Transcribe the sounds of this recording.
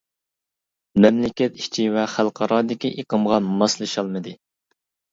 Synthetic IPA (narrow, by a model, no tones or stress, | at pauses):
mɛmlɪkʲɛt̪i̥ʃt͡ʃʰiwɛχælˠqʰɑɾɑːd̪ɪkʲiʔeqəmʁɑmɑslˠɨʃɑlˠmɨd̪ɨ